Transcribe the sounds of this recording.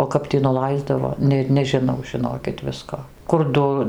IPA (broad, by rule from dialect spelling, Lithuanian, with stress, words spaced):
oː ˈkɐp tʲiː nʊˈlˠɐɪzdɐʋoː ˈnʲeːt nʲɛʒʲɪˈnɐʊ ʒʲɪˈnoːkʲɪt ˈʋʲɪskoː kʊr ˈdʊ